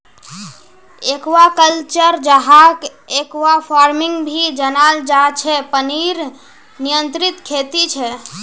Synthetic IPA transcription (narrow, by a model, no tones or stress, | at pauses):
ekwakəlt͡ʃəɾd͡ʒəɦak | ekʋapʰaɾmiŋɡbʱid͡ʒənald͡ʒat͡ʃʰɛpəniɾ | nijənt̪ɾit̪kʰet̪it͡ʃʰɛ